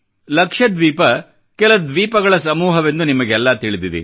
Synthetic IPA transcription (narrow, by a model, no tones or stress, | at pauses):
lɐkʂɐd̪ʋiːpɐ | kɛlɐd̪ʋiːpɐɡɐɭɐsɐmuːɦɐʋe̞nd̪unimɐɡeɛlːɐt̪iɭid̪id̪ḭ